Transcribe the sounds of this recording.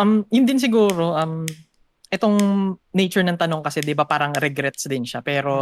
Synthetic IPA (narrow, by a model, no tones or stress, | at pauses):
ʔɐmjʊnd̪ɪns̬ɪɡuːɾo̞ʔɐm | ʔɛt̪o̞ŋnɛjt͡ʃʊɹnɐŋt̪ɐno̞ŋkɐsɛd̪ɪbapaːɾɐŋɾɛɡɾɛt̪̚sd̪ɪnʃapɛːɾo̞